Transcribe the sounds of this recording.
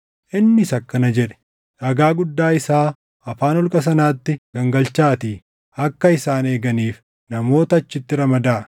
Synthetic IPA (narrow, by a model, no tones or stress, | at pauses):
ʔɪnːɪsɐkːɐnɐd͡ʒɛᶑɛ̥ | ʔɐɡaːɡʊd̪ːaːɪsaː | ɐfaːnɔlkʼɐs̬ɐnaːt̪ːɪɡ̥ɐŋɡɐlt͡ʃːaːt̪iː | ɐkːɐɪsaːne̞ːɡɐniːf | nɐmo̞ːt̪ɐɐt͡ʃːɪt̪ːɪɾɐmɐd̪aː